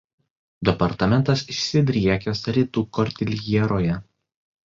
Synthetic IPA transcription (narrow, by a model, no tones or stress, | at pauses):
d̪ʲɛpɐɾt̪ɐmʲɛnt̪ɐsɪʃsʲɪd̪ʲɾʲiɛkʲɛsɐɾʲiːt̪uːkɔɾʲt̪ʲɪlʲjiɛɾoːjɛ